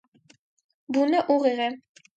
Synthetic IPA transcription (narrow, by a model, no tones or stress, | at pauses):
bunɤʔuʁiʁɘ